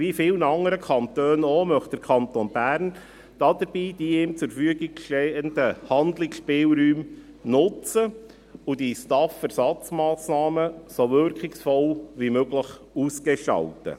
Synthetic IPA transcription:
ʋifɪːlnɑŋəɾəkʰɑnt̪øːnomœχt̚d̥əɾkʰɑntonb̥æːɾn | d̥ɑdəɾb̥iːd̥iɪmt͡sʊɾfyəɡɪɡʃtɛənd̥əhɑnd̪lɪkʃpɪːlɾyːm | nʊt͡sə | ʊd̥istɑfæɾsɑt͡smɑːsnɑːməsoʋʏɾkχɪksfɔlʋimøɡləχ | uːsɡeʃɑ̰ltə̰

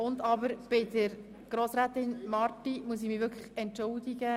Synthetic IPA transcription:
ʊnd̪ɑbəɾb̥ɪdəɾ | ɡ̥ɾoːsɾæːt̪ɪnmɑɾtimuəs̬imɪʋʏɾkʰə̥χɛntt͡ʃʊld̪iɡə

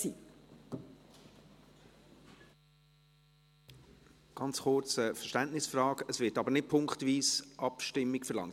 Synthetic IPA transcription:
i | ɡ̥ɑnt͡sχʊrt͡səfəʃtæntnɪsfrɑːkəsʋɪːtɑbənɪt̚pʰʊŋkχtviːsʔɑpʃtɪmːikfəlɑ̰ŋ

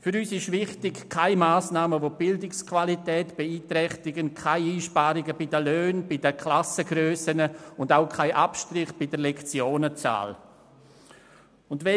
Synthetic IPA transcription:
fʏɾyːsɪʃvɪχtɪkkʰːaɪmaːsnaːməvob̥ɪldɪkskʰv̥alitɛːtb̥ɛiːtɾɛχtɪɡənkʰaɪiːʃpaːɾɪɡəbidəløːnb̥idəkʰlasəɡɾøːsənəʊndaʊkʰaɪʔapʃtrɪχb̥ɪdəɾlɛkt͡sjoːnət͡sa̰ːl | ʊndvɛ

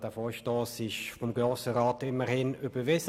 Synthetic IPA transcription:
d̥æːfoːʃtoːsɪʃfɔmɡʁoːsəʁaːtɪmːəʁhɪnyb̥əʋɪs

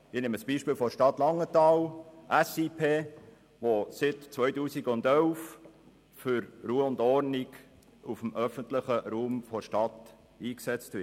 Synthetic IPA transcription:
ɪneːməsb̥iːʃpiːlfɔʃtɑtlɑŋːətɑːlʔæsiːpʰeː | ʋosɪtt͡sʋœʏtuːsiɡʊndœlf | fʏɾruːəʊndɔɾniɡ | ufəm̩ʔœfənt̪ləχəɾuːmfɔʃtɑt̪ | iːksɛt͡stʋɪ

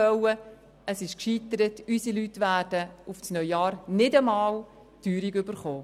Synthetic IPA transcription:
œwə | əsɪʃkʃiːtəɾətysilytːʋæːrd̥əufsnœjjɑːɾnɪdəmɑːl | tyːɾiɡʏbəɾχoː

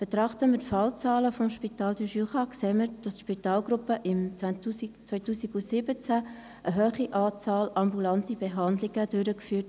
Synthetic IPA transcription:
b̥ɛt̪ɾɑχtəmətfɑlt͡sɑːləfɔmʃpitɑːldyʃyχɑkseːməɾd̥ɑstʃpitɑːlɡɾʊpəʔɪm | t͡sʋœjtuːsiɡusɪbət͡sæ | ʔəɦøːχiʔɑːt͡sɑːlɑmbulɑntibeɦɑndlɪɡ̥əd̥øɾəkfyːt

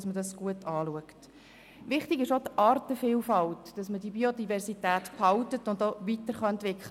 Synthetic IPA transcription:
smədɑsɡ̥uətɑːluəkt | ʋɪχtɪɡɪʃodʔɑːrtəfiːlfɑltd̥ɑsmədibiodivɛɾsitæːtphɑltətʊndoʋitəɾχɑɛntʋɪkχlə

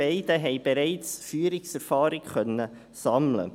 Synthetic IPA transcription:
ɛɪd̥əɦɛɪb̥eɾɛɪt͡sfyːɾɪksɛɾfɑːɾɪɡχœnːə | sɑmlə̰

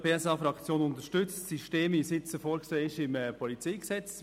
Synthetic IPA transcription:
peːɛsɑːfɾɑkt͡sjoːnʊnt̪əʃtʏt͡stsiʃteːmvisɪt͡səfoːɾkseːɪʃɪməpʰɔlit͡siːksɛt͡s

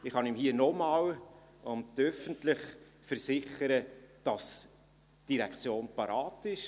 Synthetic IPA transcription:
ɪχhɑnimhiənɔmɑːwʊmd̥œfəntlɪχ | fəɾsɪχəɾəd̥ɑs | d̥iɾɛkt͡sjoːnpɑɾɑːtɪʃ

